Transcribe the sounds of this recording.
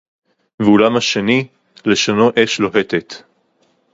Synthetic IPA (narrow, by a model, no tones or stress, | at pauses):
veulamhaʃeni | le̞ʃonoʔe̞ʃlo̞ɦe̞t̪et̪